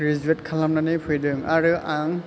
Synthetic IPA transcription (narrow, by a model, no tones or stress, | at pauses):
ɾizuet̚kʰalamnanɯpʰujdɯŋaɾɯaŋ